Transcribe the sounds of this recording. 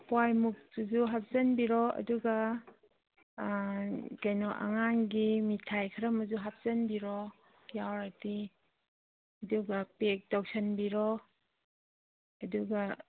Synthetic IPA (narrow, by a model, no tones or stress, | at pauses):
pwajmuk̚tuzuɦap̚zɐnbiɾɔɐ̰duɡa | ɡajnɔʔa̰ŋanɡimitʰajkʰaɾamazuɦap̚z̥ɐnbiɾɔ | jawɾati | ɐduɡapek̚dɔk̚sʰanbiɾɔ | ɐduɡa